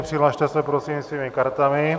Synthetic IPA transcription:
pr̥ilaʃt̪ɛsɛpɾosiːmsviːmɪkaɾt̪amɪ

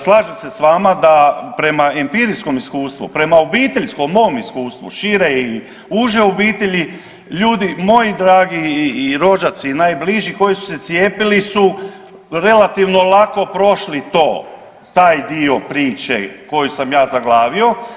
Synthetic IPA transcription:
slˠaːʒamsesʋaːmad̪apɾe̞maempiɾisko̞miskuːst̪ʋṵpɾe̞maobiːt̪e̞ʎskomːo̞omiskuːst̪ʋṵʃiɾei | uʒeobiːt̪eʎi | ʎuːd̪imo̞jid̪ɾaːɡiːɾo̞ʒat̪sinaːjbliʒiko̞jisu̥se̞t̪sjeːpilisu | ɾe̞lat̪iʋno̞lˠako̞pɾo̞ʃlit̪o̞ː | t̪aːjd̪io̞pɾiːt͡ʃḛko̞jusamjaːzaɡlˠaːʋio̞

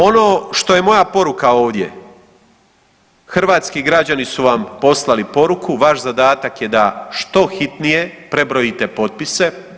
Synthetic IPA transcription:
o̞no̞ːʃt̪o̞je̞mo̞japo̞ɾukao̞ːʋd̪je̞̰ | xr̩ʋaːt̪skiɡɾad͡ʑanisuʋampo̞slˠalipo̞ɾukʰuʋaʃzad̪aːt̪akje̞d̪aʃt̪o̞xit̪nije̞pɾe̞bɾo̞jit̪e̞po̞t̪̚pise̞

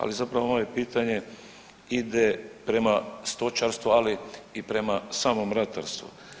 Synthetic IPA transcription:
a̰lizapɾaʋoomojepiːt̪aɲe̞ | id̪epɾe̞mast̪o̞t͡ʃaɾst̪ʋualiːpɾe̞masaːmo̞mɾat̪a̰ɾst̪ʋṵ

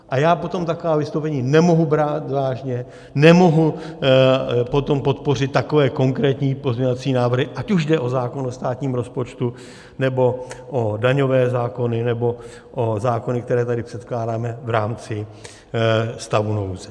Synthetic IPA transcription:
ʔajaːpo̞t̪o̞mt̪akovaːvɪst̪owpɛɲiːnɛmo̞ɦubɾaːt̪vaːʒɲɛ | nɛmo̞ɦu | po̞t̪o̞mpo̞t̪porɪt̪̚t̪ːako̞vɛːko̞ŋkɾɛːt̪ɲiːpo̞zmɲɲovat͡siːnaːvr̩ɦɪʔacuʒdɛʔo̞zaːko̞nost̪aːt̪ɲiːmɾo̞spo̞t͡ʃt̪u | nɛbo̞ʔodaɲo̞vɛːzaːko̞nɪnɛbo̞ | ʔozaːko̞nɪk̚t̪ɛɾɛːt̪adɪpr̥ɛt̪klaːdaːmɛvɾaːmt͡sɪ | st̪avunowzɛ

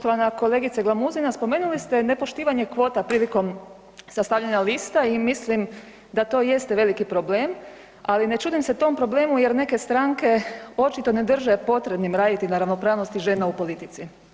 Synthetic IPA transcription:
ot̪oʋanako̞le̞ːɡit̪saɡlˠamuzinaspomeːnulist̪e̞ne̞po̞ʃt̪iːʋaɲekʋo̞ːt̪apɾiːliko̞m | sast̪aʋʎaɲaliːst̪aimislim | d̪at̪o̞ːje̞st̪eʋe̞likipɾo̞ble̞ːm | aline̞t͡ʃuːd̪imset̪o̞mpɾo̞ble̞ːmuje̞ɾne̞ke̞st̪ɾaŋke̞o̞t͡ʃit̪o̞ne̞d̪r̩ʒe̞po̞t̪ɾe̞bnimɾaːd̪it̪inaɾaʋnopɾaːʋno̞st̪iʒe̞ːnaupo̞lit̪it̪si

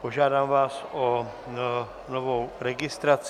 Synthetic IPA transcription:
poʒaːdaːmvaːso | novowɾɛɡɪst̪ɾat͡s

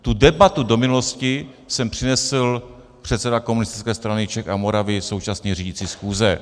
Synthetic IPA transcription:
t̪udɛbat̪udo̞mɪnuloscɪ | sɛmpr̥ɪnɛsl̩ | pr̝̥ɛt̪sɛdako̞munɪst̪ɪ̥t͡skɛːst̪ɾanɪt͡ʃɛxamo̞ɾavɪso̞wt͡ʃasɲiːriɟɪt͡siːsxuːzɛ

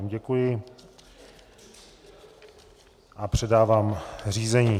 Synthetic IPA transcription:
mɟɛkujɪ | ʔapr̝̥ɛdaːvaːmr̝iːzɛɲiː

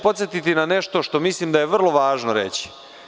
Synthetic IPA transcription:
po̞t̪sjet̪it̪inane̞ʃt̪o̞ʃt̪o̞mislimd̪aje̞ʋr̩lˠo̞ʋaːʒnoɾe̞̰t͡ɕi̥

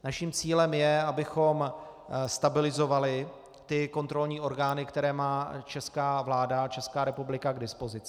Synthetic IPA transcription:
naʃimt͡siːlɛmjɛabɪxo̞mst̪abɪlɪzo̞valɪ | t̪ɪko̞nt̪ɾo̞lɲiːʔo̞ɾɡaːnɪkt̪ɛɾɛːmaːt͡ʃɛskaːvlaːdat͡ʃɛskaːɾɛpublɪkaɡdɪspo̞zɪt͡sɪ

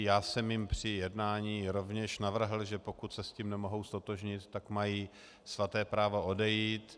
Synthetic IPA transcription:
jaːsɛmjɪmpr̝̥ɪjɛdnaːɲiːɾo̞vɲɛʃnavr̩ɦl̩ʒɛpokut̪sɛsciːmnɛmo̞ɦo̞wst̪o̞t̪oʒɲɪt̪ːakmajiː | svat̪ɛːpɾaːvo̞odɛjiːt̪

